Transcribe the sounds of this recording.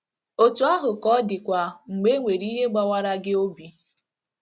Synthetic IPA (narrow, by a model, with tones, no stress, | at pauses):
o˦tu˦a˦ɦʊ˨kɔ˦dɪ˨kʷa˨ŋ͡m̩˨ɡ͡be˦ŋʷe˨ɾi˦ɦe˦ɡ͡ba˦wa˦ɾa˦ɡɪ˦o˦bi˨